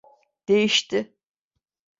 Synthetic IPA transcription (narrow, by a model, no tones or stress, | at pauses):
d̪̥e̞jiʃt̪ɪ